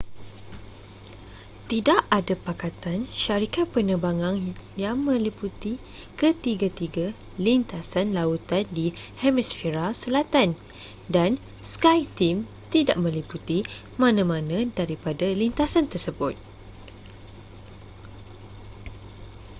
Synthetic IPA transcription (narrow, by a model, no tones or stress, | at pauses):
t̪idaʔadapakat̪anʃaɾikat̪̚pənəbaŋãŋjaŋmə̃liput̪i | kət̪iɡat̪iɡa | lint̪asanlaut̪andihɛmɛsfiɾasəlat̪an | dan | skajt̪im | t̪idaʔmə̃liput̪i | mãnãmãnãdaɾipadalint̪asant̪ərsəbʊt̪̚